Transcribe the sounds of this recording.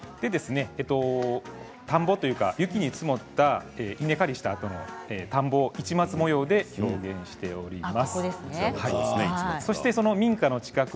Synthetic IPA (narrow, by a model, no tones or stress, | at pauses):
d̪̥e̞d̪e̞sɨne̞ːt̪ːo̞ | t̪ãmbo̞t̪o̞jɯ̟ːka̰jɯ̟kʲiɲ̟it͡sɨmo̞t̪ːaeːʔine̞kaɾʲiɕi̥t̪aːt̪o̞no̞̰eːt̪ãmbo̞it͡ɕimat͡sɨmo̞jo̞ːd̪e̞ço̞ːɡẽ̞ɰ̃ɕi̥t̪e̞o̞ɾʲimasod̪esɨnehaiso̞ɕi̥t̪e̞so̞no̞mʲĩŋkano̞t͡ɕi̥kakɯ